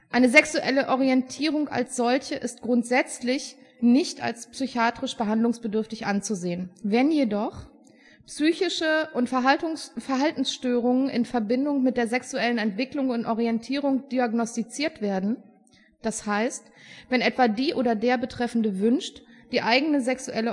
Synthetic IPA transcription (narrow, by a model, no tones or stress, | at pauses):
ʔaɪnəzɛksuʔɛləʔɔʁiɛntʰiːʁ̞ʊŋa̰lsz̥ɔlçəʔɪstɡ̥ʁʊntz̥ɛt͡slɪçnɪçta̰lspsyçaːtʁ̥ɪʃb̥əɦandlʊŋsb̥ədʏɐftɪçʔant͡suzeːənvɛnjedɔχ | psyːçɪʃəʔʊntʊfɛɐɦaltn̩sʃtøːʁʊŋənʔɪ̰nfɛɐbɪndʊŋmɪt̚d̥eːɐzɛksuɛlənɛntv̥ɪklʊŋʊntʔɔʁiɛntʰiːʁ̞ʊŋd̥iaɡnɔstit͡siːɐtv̥eːɐdn̩ | d̥ashaɪstv̥ɛnʔɛtv̥aːdiːʔoːdɐdeːɐbətʁ̥ɛfn̩dəvʏnʃtd̥iːʔaɪɡənəzɛksuʔɛlə